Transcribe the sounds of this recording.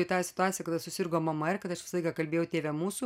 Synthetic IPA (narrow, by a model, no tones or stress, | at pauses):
it̪ɑːsʲɪ̥t̪ʊaːt̪ʲɪjɛkɐt̪ɐsʊsʲɪrɡoːmɐmɐɪɾkɐt̪ɐʃʋʲɪsɐlˠɐɪkɐkɐlʲbʲeːjɛʊt̪ʲeːʋʲɛmuːsuː